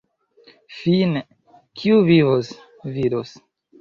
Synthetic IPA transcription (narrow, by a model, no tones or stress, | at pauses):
fine | kʰiuvivos | vidos